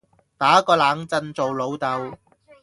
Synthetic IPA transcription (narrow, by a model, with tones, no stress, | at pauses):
t̪aː˨˥kɔː˧laː˨˧˥ŋt͡sɐ˧nt͡so˨wlo˨˧wt̪ɐ˨˧w